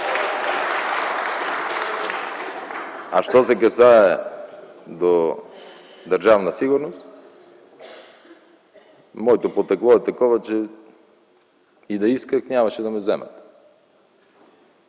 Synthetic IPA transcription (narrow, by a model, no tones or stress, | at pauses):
aʃt̪ɔsɛkɐsaɛ | d̪o | d̪ɐɾʒavnɐsiɡʊɾnost̪ | mɔɛt̪opot̪ɐklˠɔɛt̪ɐkɔvɐt͡ʃɛ | id̪ɐiskəknʲamɐʃɛd̪ɐmɛzɛmɐ̰t̪